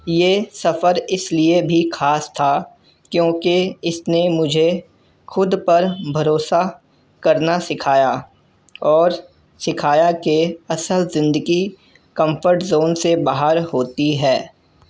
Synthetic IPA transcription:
jeːsɐfəɾɪsliebʱixʰaːst̪ʰa | kjõːkiɪsnemʊd͡ʒʱe | xʊd̪pɐɾbʱɐɾoːsa | kɐɾnasɪkʰaːja | ɔːɾ | sɪkʰaːjakeɐsəlzɪ̃nd̪əɡi | kɐ̃mfʰəɾʈzoːnsebaːɦəɾɦoːt̪iɦɛː

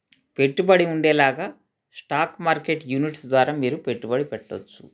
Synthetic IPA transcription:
pe̞ʈːubɐɽiuɳɖɛːlaːɡaː | sʈaːkmaːɾke̞ʈjuːniʈsd̪ʋaːɾaːmiːɾupe̞ʈːubɐɽipɛʈːo̰t͡ʃːu̥̰

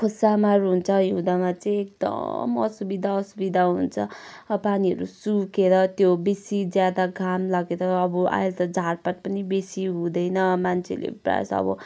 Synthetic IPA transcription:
kʰosamaɾuɦunt͡sʰʌjud̪amat͡sʌĩek̚d̪ʌ̰mʌ̰subid̪ʱaʌsubid̪ʱaɦunt͡sʰʌʌpaniʌ̰ɾusukeɾʌt̪jobesid͡zjad̪aɡʱamlaɡeɾʌːbʌa̰jlt̪ʌd͡zʱarpaʈ̚pʌnibesiɦũd̪ʌjnʌmant͡sʰḛlḛpra̰sʌ̰bʌ̰

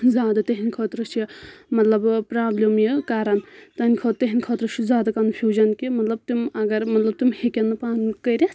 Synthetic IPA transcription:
zʲjaːd̪ɐt̪eɦinʲkʰɐːt̪ɾɐt͡ʃʰɐmɐt̪lɐbpɾaːblʲemjikaɾɐnt̪ɐnʲkʰɐːt̪t̪eɦinʲkʰɐːt̪ɾɐt͡ʃʰuzʲaːd̪ɐkɐnfʰʲjuːd͡ʒɐnkimɐt̪lɐb̚t̪imɐɡɐɾmɐt̪lɐb̚t̪umhekʲenːɐpaːnkəɾʲɐs

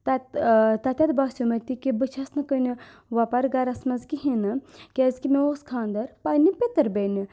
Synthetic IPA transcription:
t̪at̪ɐt̪ʲɐt̪baːsjumɐt̪ikibɨt͡ʃʰɐsnɐkəni | ʋapɐɾɡɐɾɐsmɐzkiɦinɨkʲezkimeoskʰaːnd̪ɐɾpajnipʲet̪ɐɾbeni

